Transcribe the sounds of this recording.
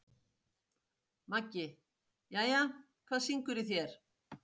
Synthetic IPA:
macːɪ | jaːja | kʰvaːðsiŋkʏɾɪθjɛɾ̥

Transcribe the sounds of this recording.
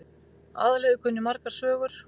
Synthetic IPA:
a̰ːðalɛːɣʏkʰœnːʏmaɾkḁsvœːɣʏɾ̥

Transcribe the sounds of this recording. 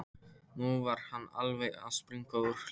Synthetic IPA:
nuvaɾ̥hanːa̰lveja̰spɾiŋkaʏɾ̥

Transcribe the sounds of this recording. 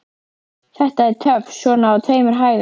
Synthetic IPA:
θɛht̪aɛɾt̪ʰœvsɔːnaːt̪ʰeːjmʏɾ̥ɦaːjð

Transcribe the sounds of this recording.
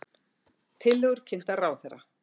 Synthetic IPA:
t̪ʰɪlːœɣʏɾ̥cʰɪn̥t̪araːwθɛrːa

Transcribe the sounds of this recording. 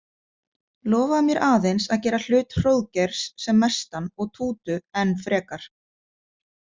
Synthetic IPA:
lɔːvamjɛɾʔaːðejnsaðcɛːɾal̥ʏːt̪r̥owðcɛɾ̥sːɛmːɛ̥st̪anɔɣt̪ʰuːt̪ʏɛnːfɾɛːkaɾ̥

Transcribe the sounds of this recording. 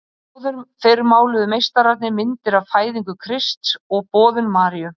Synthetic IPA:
aːwðʏɾfeɾmaːwlɪðʏmejst̪aɾat̪nɪmɪnt̪ɪɾavfaːjðiŋkʏkʰɾɪst̪sɔɣpɔːðʏmːaːɾiʏ

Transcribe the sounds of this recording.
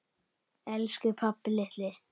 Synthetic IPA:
ɛlskʏpʰapːlɪht̪lɪ

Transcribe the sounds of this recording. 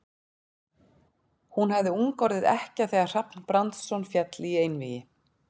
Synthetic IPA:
hunhavðɪuŋkɔɾðɪðɛ̰hcɪaθɛːɣar̥apnpɾant̪sɔnfjɛt̪liejnvɪjɪ

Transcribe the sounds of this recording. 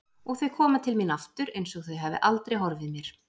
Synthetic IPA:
ɔɣθœɥkʰɔːmat̪ʰɪlmɪnaft̪ʏɾejnsɔɣθœɥɦaːvɪ̰ʔalt̪ɾejɦɔɾvɪðmjɛɾ̥

